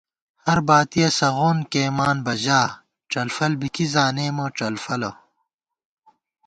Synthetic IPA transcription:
hɐɾbaːt̪ijɐsɐɣoːnkeːmaːnbɐʑaː | ʈ͡ʂɐlfɐlbikizaːneːmoʈ͡ʂɐlfɐlo̰

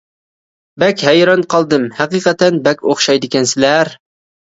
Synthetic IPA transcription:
bækʲhæjɾɑnqʰɑlˠd̪ɨmhæqiːqɑt̪ænbækʲoχʃɑjd̪ɪkʲɛnsɪlæɾ

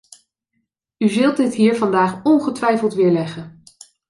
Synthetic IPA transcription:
yzɵlˠt̚dɪtɦiːɹvɑndaːχɔnχətʋɛjfəlˠtʋɪːɹlɛχən

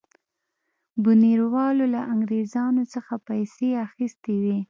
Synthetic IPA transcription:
buniɾwɑlolaʔaŋɡɾezɑnot͡səxapajseaxist̪ewi

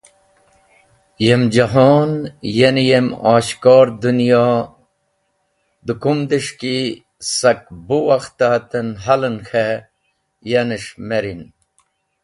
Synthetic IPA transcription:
jemd͡ʑɐɦoːnjenijemaːɕkoːɾd̪unjaː | d̪ukumd̪iʂki | sɐk̚buwɐxt̪aːt̪ɐnɦɐlənxʰe | jɐniʂmeɾin

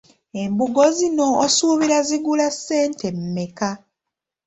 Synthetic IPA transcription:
e̞mbuɡozino̞ːsuːβiɾaziɡulasːe̞ːntʰe̞mːeka

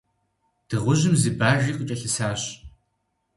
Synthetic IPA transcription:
d̥ɨʁʷʊʑɪmzɨbaːʒiːqʼət͡ʃʼɐɬɨsaːɕ

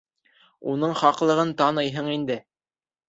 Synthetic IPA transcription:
unɤɴχɑqlˠɤ̆ʁɤnt̪ɑnɤjɦɤɴind̪ɘ

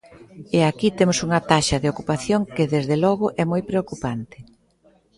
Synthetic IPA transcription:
eakit̪emʊsuŋɐt̪aʃɐðeokupaθjoŋkeðezðelɔɣʊʔɛmojpɾeokupant̪ɪ̥

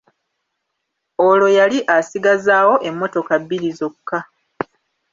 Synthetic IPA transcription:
olo̞jaliʔasiɡazaːwo̞ʔe̞mːo̞to̞kabːiɾizo̞kːa

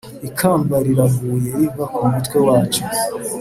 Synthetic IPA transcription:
ikʰaːmbaɾiɾavuːje̞jivakʰumutkwe̞waːt͡ʃu

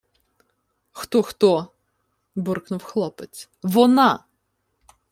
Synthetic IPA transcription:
xt̪ɔxt̪ɔ | bʊrknʊwxlˠɔpet͡sʲ | ʋɔnɑ

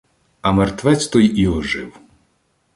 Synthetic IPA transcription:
ɐmɛrt̪ʋɛt͡sʲt̪ɔjiɔʒɪw

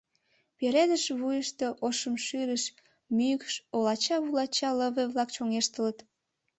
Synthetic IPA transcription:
peɾed̪əʃβujəʃt̪e̽ʔoʃəmʃyɾəʃ | mykʃolɑt͡ɕɑβulɑt͡ɕɑləβəβlɑkt͡ɕoŋeʃt̪ələt̪

